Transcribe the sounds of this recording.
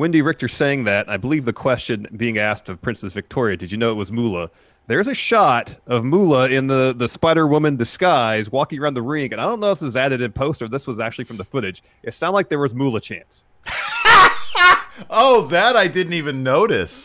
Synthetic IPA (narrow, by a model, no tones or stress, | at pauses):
wɪ̃ndiɹɪk̚tə̥˞seɪɪ̃ŋðɨɾaɪbəlivðɨkʰw̥ɛst͡ʃɨ̃nbiɪ̃ŋæstʌv̥pʰɹ̥ɪ̃nsɨsvɨk̚tʰɔɹiɨdɨd͡ʒɨnoʊət̚wʌzmulˠə | ðə˞ɨzɨʃɑɾʌvmulˠəɪ̃nðəðɨspaɪɾə˞wʊmɨ̃ndɨskaɪzwɔkɪ̃ŋə˞ãʊ̃nðəɹɪ̃ŋɨ̃naɪɾõʊ̃nːoʊswʌzæɾɨɾɨ̃npʰoʊstə˞ðɪswʌzæk̚t͡ʃʉl̩ˠifɹʌ̃mðəfʊɾɨd͡ʒ̥ | ʔɨtsãʊ̃ndzlaɪk̚ðə˞wʌzmulˠət͡ʃʰæ̰̃ns | oʊðɨɾaɪdɪdⁿn̩tivɨ̃nːoʊɾɨs